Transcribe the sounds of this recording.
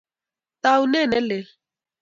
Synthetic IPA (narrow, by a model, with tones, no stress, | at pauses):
ta˦u˦nɛ˦˨nɛ˦le˨